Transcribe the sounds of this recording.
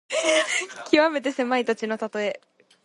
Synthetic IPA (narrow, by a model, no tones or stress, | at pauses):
kʲiβame̞t̪̬e̞se̞mait̪at͡ɕino̞t̪at̪o̞e̞